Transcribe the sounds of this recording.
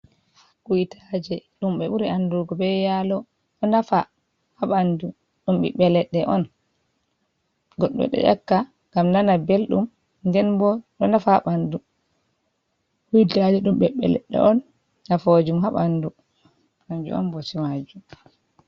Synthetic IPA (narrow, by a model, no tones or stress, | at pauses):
kujitʰad͡ʒɛɗumɓɛɓuɾianduɡɔbɛjalɔ | ɗɔnafa | haɓandu | ɗumɓḭɓɛlɛɗːɛʔɔn | ɡɔɗːɔ̰ɗɛ̰ʔa̰kːa | ɡamnanabelɗṵm | ndɛnbɔɗɔnafaɓandu | hujtad͡ʒɛɗumɓɛɓɛ̰lɛ̰ɗːɛ̰ʔɔnː | afod͡ʒumɦaɓandu | maɲd͡ʒṵɔ̰nbɔsimad͡ʒum